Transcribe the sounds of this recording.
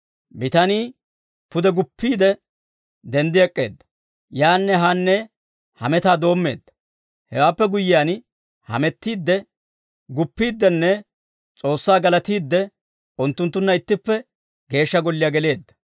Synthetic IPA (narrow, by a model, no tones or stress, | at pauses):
bɪt̪ɐniː | pʊd̪ɛɡʊpːiːd̪ɛ | d̪ɛnd̪ɪɛkʼːe̞̰ːd̪ːɐ̥ | jaːnːɛɦanːɛ | hɐmɛt̪aːd̪o̞ːmːe̞̰ːd̪ːɐ̥ | hɛwaːpːɛɡʊjːɪjaːn | hɐ̰mɛt̪ːiːd̪ːɛ | ɡʊpːiːd̪ːɛnːɛ | t͡sʼo̞ːsːaːɡɐlɐt̪iːd̪ːɛ | ʊnt̪ːʊnt̪ːʊnːɐɪt̪ːɪpːɛ | ɡe̞ːʃːɐɡɔlːɪjaɡɛle̞ːd̪ːɐ̥